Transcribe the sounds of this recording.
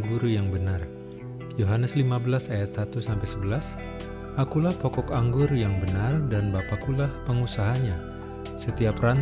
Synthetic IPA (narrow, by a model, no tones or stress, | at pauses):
ɡuɾujaŋbənar | joɦanəslimabəlasajat̪̚sat̪usampajsəbəlas | ʔakulahpɔkɔkaŋɡʊrjaŋbənardanbapakulahpəŋusaɦaɲa | sət̪iapran